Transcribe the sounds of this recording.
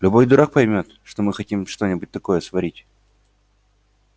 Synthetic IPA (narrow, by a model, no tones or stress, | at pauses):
lʲʊbo̞jd̪ʊɾʔak̚pɐjmʲo̞t̪ʂt̪o̞mɨxɐtʲimʂt̪o̞nʲɪbʊt̚ʲt̪ɐko̞jəsvɐɾʲitʲ